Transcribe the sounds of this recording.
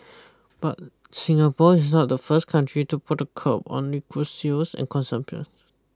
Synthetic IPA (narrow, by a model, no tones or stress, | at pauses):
b̥at̚ | sĩŋapɔɪsnɔt̚dəfəskʰãntʰɹituputəkʰəpɔ̰̃nlikʰusisɛ̰̃nkʰɔ̃nsə̃mpiə̰̃s